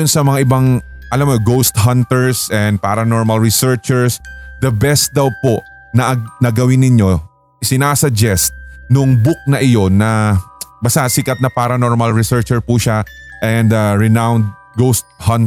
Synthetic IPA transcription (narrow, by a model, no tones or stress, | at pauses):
ʊnsɐmɐŋaʔɪbaŋ | ʔɐlamoɡowst̪ɦɐnt̪ɛɹsɛnd̪̚paːɾɐnoɹmɐlɹɪsɛɹt͡ʃɛɹsd̪ɐbɛst̪̚d̪ɐwpo̞ʔ | nɐʔɐnɐɡɐwɪnːɪɲjo̞ | ʔɪsɪnaːsɐd͡ʒɛst̪̚nʊŋbʊk̚nɐʔɪjo̞nɐbɐsasɪkɐt̪̚nɐpaːɾɐnoɹmɐlɹɪsɛɹt͡ʃɛɹpuʃaʔɛnd̪ɐɹɛnawnd̪̚ | ɡowst̪̚hɐn